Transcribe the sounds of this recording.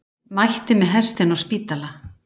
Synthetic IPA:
majht̪ɪmɛðɦɛst̪ɪnɔɣspiːt̪ala

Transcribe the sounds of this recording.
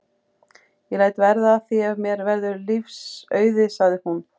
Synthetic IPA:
jɛlaːjt̪vɛɾðaːθiɛvmjɛɾvɛɾðʏɾlifsœːɥðɪsaɣðɪhun

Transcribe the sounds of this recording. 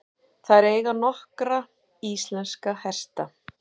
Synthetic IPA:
θaðɛɾeːjɣanɔhkɾa | ist̪lɛnskahɛr̥st̪a

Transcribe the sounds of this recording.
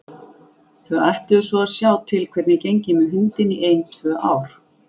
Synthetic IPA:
θvœɣajht̪ɪʏsɔasjaːwt̪ʰɪlkʰv̥ɛɾt̪nɪcejɲcɪmɛɦʏnt̪ɪniʔejnt̪ʰvœːʔaːwɾ̥

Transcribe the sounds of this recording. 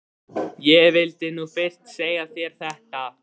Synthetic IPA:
jɛɣvɪlt̪ɪnufɪrst̪seːjɣaθjɛɾ̥θɛht̪a

